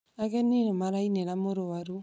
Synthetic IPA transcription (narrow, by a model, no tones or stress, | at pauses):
aɣɛnːinɔmaɾaineɾamoɾowaɾu